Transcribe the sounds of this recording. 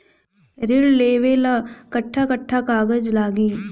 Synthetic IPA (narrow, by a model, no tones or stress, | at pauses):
ɾɪlleːʋelakɐʈʰːakəʈʰːakaːɡəd͡ʒlaːɡiː